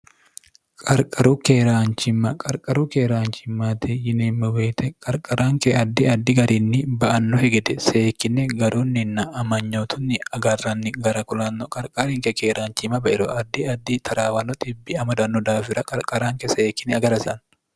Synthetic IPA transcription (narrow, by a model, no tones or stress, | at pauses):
kʼɐɾkʼɐɾuːkeːɾaːnt͡ʃɪmːɐkʼɐɾkʼɐɾuːkeːɾaːnt͡ʃɪmːaːt̪ɪjɪneːmːɐweːt̪ɛkʼɐɾkʼɐɾaːŋkɛɐd̪ːɪɐd̪ːɪɡɐɾinːɪbɐʔɐnːɔhɛɡɛd̪ɛseːkːɪnːɛɡɐɾuːnːɪnːɐɐmɐɲːoːt̪ʰʊnːɪɐɡɐrːɐnːɪɡɐɾɐkʊlɐnːɔkʼɐɾkʼɐɾɪŋkɛkeːɾaːnt͡ʃɪmɐbɐʔɛɾɔɐd̪ːɪɐd̪ːɪt̪ʰɐɾaːwɐnːɔt̪ʼɪbːɪɐmɐd̪ɐnːɔd̪aːfɪɾɐkʼɐɾkʼɐɾaːŋkɛseːkːɪnɛɐɡɐɾɐsɪʔɐn